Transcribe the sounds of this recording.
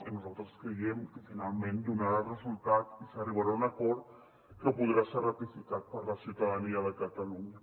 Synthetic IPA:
inuzalˠt̪ɾəskɾeɣɛmkəfinalˠmẽnd̪unaɾalrəzulˠt̪at̪isəriβaɾaunakɔɾt̪ | kəpuð̞ɾaserət̪ifikat̪̚pəɾləsiuwt̪aðəniəðəkat̪aluɲa

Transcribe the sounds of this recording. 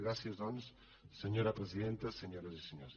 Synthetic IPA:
ɣɾasjɐzðons | seɲoɾɐpɾesiðent̪ɐseɲoɾɐziseɲos

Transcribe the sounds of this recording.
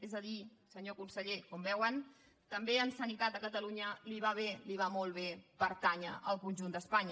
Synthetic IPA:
ezəðisəɲokunsəʎekɔmbɛwən | t̪əmbeəlˠsənit̪at̪̚d̪əkət̪əluɲəliβ̞aβ̞eliβamolˠβ̞epəɾt̪aɲəʔəlˠkunʲʒund̪əspaɲ

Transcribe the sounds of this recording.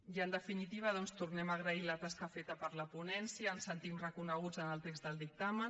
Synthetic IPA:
iənd̪əfinit̪iβ̞əð̞ɔnst̪urnɛmaːɣ̞ɾəilət̪askəfet̪əpəɾləpunɛnsiəːnsənt̪imrəkunəɣ̞ud͡zənəlˠt̪ekzðəlˠd̪ik̚t̪amə

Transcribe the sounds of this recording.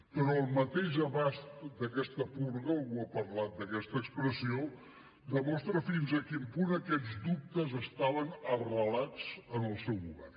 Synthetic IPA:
pɾɔəlˠmət̪eʒəβazt̪d̪əkɛst̪əpuɾɣəwəpəɾlat̪̚d̪əkɛst̪əːkspɾəsio | d̪əmɔst̪ɾəfinzəkimpunəkɛd͡zd̪up̚t̪əzəst̪aβənərəlazənəlˠsɛwuβɛ̰r

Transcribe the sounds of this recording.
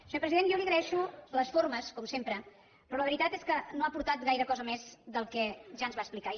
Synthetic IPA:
səɲopɾəziðenjɔwliəɣɾəɛʃuləsforməskɔmsempɾə | pɾɔləβəɾit̪at̪eskənoapuɾt̪at̪ɣajɾəkɔzəmezd̪əlˠkɛʒaənzβaəsplika

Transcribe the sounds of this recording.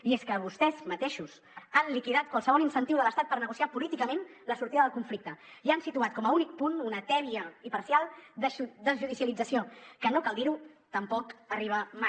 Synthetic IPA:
ieskəβust̪ɛzmət̪eʃus | anlikiðat̪̚kwalˠsəβɔlinsənt̪iwðələst̪at̪̚pəɾnəɣusiapulit̪ikəmẽnləsuɾt̪iðəðəlˠkuɱflik̚t̪əiansit̪uat̪̚kɔməunik̚pununət̪ɛβiəipɐɾsialˠd̪əd̪əzʒuðisiəlid͡zəsiokənokalˠd̪iɾut̪əmpɔkəriβ̞əma

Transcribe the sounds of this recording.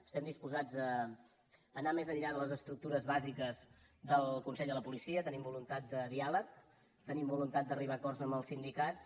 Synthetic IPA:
əst̪ɛmd̪ispuzad͡zəː | namezəʎʎaðələzəst̪ɾuk̚t̪uɾəzβazikəzd̪əlˠkunsɛʎdələpulisiət̪ənimbulunt̪at̪̚d̪əðialək̚ | t̪ənimbulunt̪at̪̚d̪əriβakɔrzəmbəlˠsind̪ikatt͡s

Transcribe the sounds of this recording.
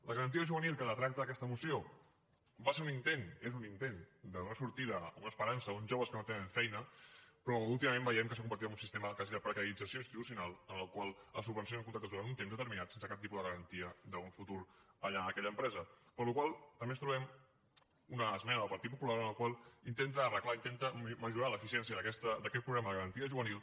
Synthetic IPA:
ləɣəɾənt̪iəʒuβənilˠkələt̪ɾak̚t̪əːkɛst̪əmusio | baseɾunint̪enezunint̪end̪əunəsuɾt̪iðəunəspəɾansəunʒoβəskənot̪enəɱfɛjnəpɾɔulˠt̪iməmẽmbəjɛmkəsəkumbəɾt̪iəmunsist̪eməkaziðəpɾəkəɾid͡zəsioinst̪it̪usiunalˠənəlˠkwalˠəs̬ubənsjonəŋkunt̪akt̪əzðuɾant̪unt̪emzðət̪əɾminat̪sensəkap̚t̪ipuðəɣəɾənt̪iəd̪əuɱfut̪uɾəʎaəkɛʎəmpɾɛzə | pəɾlukwalˠt̪əmbest̪ɾuβɛm | unəːzmɛnəðəlˠpɐɾt̪it̪̚pupulaɾənəlˠkwalˠint̪ent̪əːrəklaint̪ent̪əməʒuɾaləfisiɛnsijəðəkɛst̪əd̪əkɛt̪̚pɾuɣɾɛməðəɣəɾənt̪iəʒuβənilˠ

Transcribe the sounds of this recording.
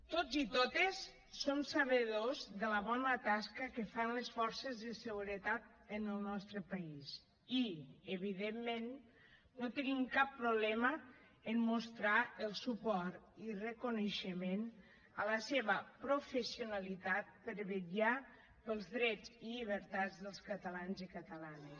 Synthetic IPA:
t̪ozit̪ot̪esː | omsəβəðozðələβɔnət̪askəkəfanləsfɔɾsəzðəsəɣuɾət̪at̪̚ənəlˠnɔst̪ɾəpais | iəβiðemːenː | ot̪enimkapːɾuβlɛmə | əmmust̪ɾaəlˠsupɔɾt̪ | irəkunəʃəmen | ələseβəpɾufəsiunalit̪at̪̚pəɾβəʎa | pəlˠzðɾɛd͡zilʎiβ̞əɾt̪ad͡zðəlˠskət̪əlanzikət̪əlanəs

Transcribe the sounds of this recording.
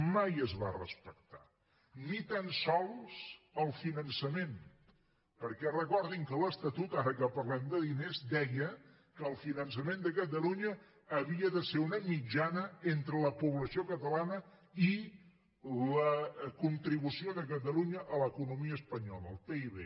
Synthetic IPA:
majəzβa̰rə̰spək̚t̪a̰ | nit̪ansɔlˠsəlˠfinənsəmen | pəɾkɛrəkɔɾðiŋkələst̪ət̪ut̪aɾəkəpəɾlɛmd̪əðinezd̪ɛjə | kəːlˠfinənsəmend̪əkət̪əluɲəː | βiəðəseɾunəmid͡ʒanəent̪ɾələpuβləsiokət̪əlanə | i | ləkunt̪ɾiβusioðək̬ət̪̬əluɲəʔələkunumiəspəɲɔləːlˠpeiβḛ

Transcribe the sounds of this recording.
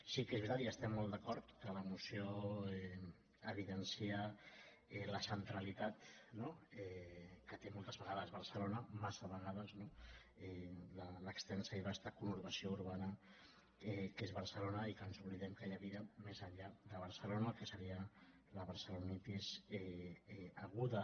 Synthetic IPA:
sikezβɾit̪at̪iəst̪ɛmːolˠd̪əkɔɾt̪kələmusioɛ | əβiðənsiə | ɛləsənt̪ɾəlit̪at̪noɛkət̪emolˠt̪əzβəɣaðəzβəɾsəlonəmasəβəɣ̞að̞əzno | ɛlələkst̪ɛnsəiβast̪akunuɾβəsiouɾβanə | ɛkezβəɾsəlonəikənzuβliðɛmkajəβiəmezəʎʎaðəβ̞əɾsəlonəlˠkəsəɾiə | ləβəɾsəlunit̪izɛ | əɣuðə

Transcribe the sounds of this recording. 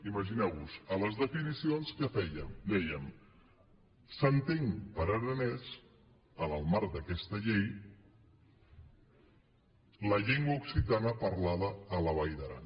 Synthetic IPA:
iməʒinɛwβuzələzðəfinisionskəfɛjəmd̪ɛjəm | sənt̪eŋpəɾəɾənɛs | ələlˠmaɾd̪əkɛst̪əʎej | ləʎeŋɡwauksit̪anəpəɾlaðəːləβəjðəɾa̰

